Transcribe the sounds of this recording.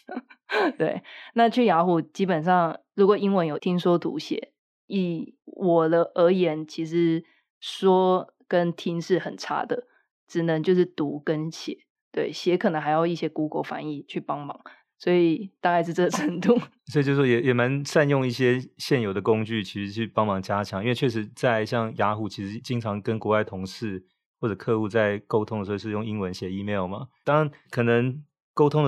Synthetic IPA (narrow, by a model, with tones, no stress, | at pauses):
t̪we˥˩ɪna˥˨t͡ɕʰy˥˩ja˧˥xu˨˩t͡ɕi˥pə˨˩nʂɑ˥˩ŋɻu˧˥kwɔ˨˩i˥ŋwə˧˦njo˨˩ʊt̪ʰi˥ŋʂwɔ˥t̪ṵ˧˥˦ɕjɛ̰˨˧˦ | i˨˩wʔɔ˨˩d̪ə˦ʔə˧˥jɛ˧˥nt͡ɕʰi˧˥ʂɻ̩˧˦ | ʂwɔ˥ | kə˦˥nt̪ʰi˥ŋʂɻ̩˥˩xə˨˩nʈ͡ʂʰa̰˥d̪ə˨ | ʈ͡ʂɻ̩˨˩nə˧˦ŋt͡ɕjo˥˧ʊʂ̬ɻ̩˥˩t̪u˧˥˦kə˦nɕjɛ̰˨˩˦ | t̪we˥˩ɪɕjɛ˧˥kʰə˨˩nə˧˦ŋxa˧ɪjɑ˥˧ʊi˥˩ɕjɛ˥ku˥ko̰˧˥ʊfa̰˧˥ni˥˩t͡ɕʰy˥˩pɑ˦ŋmɑ˨˩˦ŋ | swɔ˧˥i˨˩t̪a˥˧ka˥˧ɪʂ̬̩˥˧˩t͡sɤ˥˩d̪ʰə˧˥ŋt̪u˥˩swɔ˧˥i˨t͡ɕo˥˧ʂwo˥jɛ˨˩jɛ˨˩ma˧˦nsa˥˧njʊ˥˧ŋi˥˩ɕjɛ˥ɕjɛ˥˩njo˨˩d̪ə˩kʊ˥ŋt͡ɕy˥˩t͡ɕʰi˧˥ʂɻ̩˧˥t͡ɕʰy˥˩pɑ˥ŋmɑ˨˥˦ŋt͡ɕja˥t͡ɕʰjɑ˨˦ŋi˥nwe˥˧ɪt͡ɕʰɥɛ˥˩ʂɻ̩˧˥t͡sa˥˧ɪɕjɑ˥˩ŋja˧˥xu˨˩t͡ɕʰi˧˥ʂɻ̩˧˥t͡ɕi˥ŋʈ͡ʂʰɑ˧˥ŋkə˦nkwɔ˧˥wa˥˩ɪt̪ʰʊ˧˥ŋʂɻ̩˥˩ | wɔ˥˩ʈ͡ʂɤ˨˩kʰɤ˥˧u˥˧t͡sa˥˩ɪko˥ʊt̪ʰʊ˥ŋd̪ə˩ʂo˧˥o˧ʂɻ̩˥˧jʊ˥˧ŋi˥nwə˧˦nɕjɛ˨˥˦i˥˧mjɑ˥˩ʊmɐ˩t̪ɑ˥ŋa˧˦nkʰɤ˨˩nə˧˦ŋ | ko˥ʊt̪ʰʊ˥ŋə